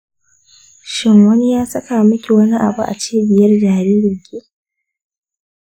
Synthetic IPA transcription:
ʃɪ˦ŋwɐ˦ni˦jaː˦sɐ˦ka˨mɐ˦kʲi˨wɐ˦ni˦ʔa̰˨bu˦ʔa̰˨t͡ʃeː˦bɪ˨jɐ˦rd͡ʒaː˨ɾiː˦ɾɪ˨ŋkʲeː˦

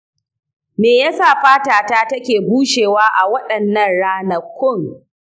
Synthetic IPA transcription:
meː˨ja˦saː˦˨ɸaː˦taː˨taː˦tɐ˦kʲeː˨buː˦ʃeː˨waː˦ʔa˨wɐ˦ɗɐ˨nːɐ˦˨nɽaː˦nɐ˦kʷːʊ˦˨ŋ

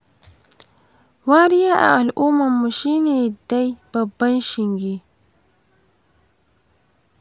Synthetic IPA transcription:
waː˦ɾɪ˦jaː˦ʔa̰˨ʔa˨lʔuː˦mɐ˨mːu˨ʃiː˦neː˨da˦jb̥ɐ˨bːɐ˦nʃɪ˨ŋɡʲeː˦

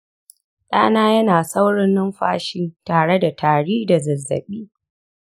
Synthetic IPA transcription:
ɗa̰ː˦naː˦jɐ˦naː˨sa˦wɽɪ˦nːʊ˦mɸaː˦ʃiː˦taː˨ɽe˦da˨tʰaː˨ɽiː˦da˨zɐ˨zːɐ̰˨ɓiː˦

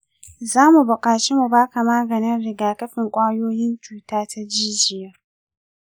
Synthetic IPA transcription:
zaː˦mu˨bʊ˨kʼaː˨t͡ʃe˦mu˨baː˦ka˨maː˦ɡɐ˨nɪ˦nɽɪ˦ɡaː˨kɐ˦ɸɪ˨ŋkʷʼaː˦joː˦jɪ˦nt͡ʃuː˦taː˦tʰa˦d͡ʒiː˦d͡ʒɪ˨jɐ˦r

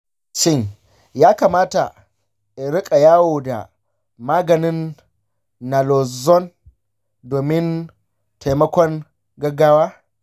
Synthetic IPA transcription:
t͡ʃɪ˦˨ɲ | jaː˦kaː˨maː˦ta˨ | ɾɪ˦kʼa˨jaː˦woː˨da̰˨ | maː˦ɡɐ˨nɪ˦nː | a˨lɔ˨zɔ˦n | doː˨mɪ˦n | tʰa˨jmɐ˦kʷɔ˦ŋ | ɡɐ˦ɡaː˦waː˦

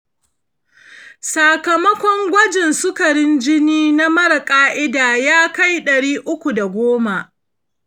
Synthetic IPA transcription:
sa˨kɐ˨mɐ˦kʷɔ˦ŋɡʷɐ˦d͡ʒɪ˨nsʊ˦kɐ˨ɽɪ˦nd͡ʒɪ˦niː˦na˦mɐ˦ɾa˨kʼaː˦ʔɪ˦daː˨jaː˦ka˦jɗɐ˨ɽiː˦ʔʊ˦kʷu˨da˨ɡʷoː˦ma˨

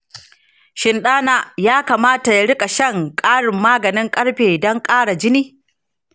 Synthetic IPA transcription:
ʃɪ˨nɗaː˦naː˨jaː˦kaː˨maː˦ta˨ja˨ɽɪ˦kʼa˨ʃɐ˦˨ŋkʼaː˦ɽɪ˨mːaː˦ɡɐ˨nɪ˦ŋkʼɐ˦ɽɸeː˨dɔ˦ŋkʼaː˦ɽa˨d͡ʒɪ˦niː˦

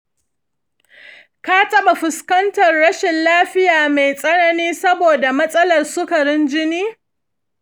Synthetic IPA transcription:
ka˦tɐ˦ɓa˨ɸɪ˨skɐ˦ntɐ˨rɽɐ˦ʃɪ˨nlaː˦ɸɪ˦jaː˨me˨jsʼɐ˦nɐ˦niː˦sɐ˦boː˨da˨mɐ˦sʼɐ˦lɐ˨rsʊ˦kɐ˨ɾɪ˦nd͡ʒɪ˦niː˦

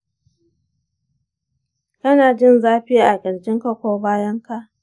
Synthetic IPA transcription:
kɐ˦naː˨d͡ʒɪ˦˨nzaː˦ɸɪ˦ja˦˨ʔa˨ɡʲɪ˨ɽd͡ʒɪ˦ŋka˦kʷoː˦baː˦jɐ˦ŋka˦ʔ

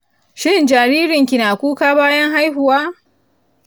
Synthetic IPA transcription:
ʃɪ˦nd͡ʒaː˨ɾiː˦ɾɪ˨ŋkʲi˨naː˨kʷuː˦kaː˦baː˦jɐ˦ŋɦa˦jɦʊ˨waː˦

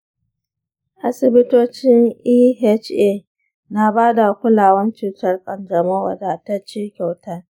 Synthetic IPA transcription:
ʔa˦sɪ˨bɪ˦toː˦t͡ʃɪ˦ŋʔiː˦ɦɛ˦t͡ʃe˦˨ | na˦baː˦da˨kʷʊ˦laː˨wɐ˦nt͡ʃuː˨tɐ˦rkʼɐ˨nd͡ʒɐ˨ma˦wɐ̰˨da˨ta˦t͡ʃiː˦kʲa˨wtɐ˦r

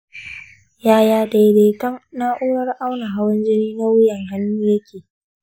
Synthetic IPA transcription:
jaː˦jaː˨da˨jde˨kɐ˦ŋna˦ʔuː˦ɽɐ˦rʔa˦wna˨ɦa˦wɐ˦nd͡ʒɪ˦niː˦na˦wɪ˦jɐ˨ŋha˦nːuː˦jɐ˦kʲʰeː˨

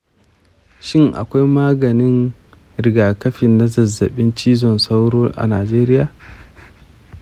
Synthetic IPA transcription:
ʃɪ˦ŋʔa̰˨kʷa˦jmaː˦ɡɐ˨nɪ˦n | ɾɪ˨ɡaː˨kɐ˦ɸɪ˨nːa˦zɐ˨zːɐ˨ɓɪ˦nt͡ʃiː˦zɔ˨nsa˦wɽoː˦ʔa̰˨naː˨d͡ʒeː˦ɾɪ˦jaː˨

